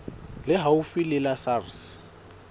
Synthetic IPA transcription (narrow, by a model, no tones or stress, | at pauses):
lɪɦaʊfilɪlasars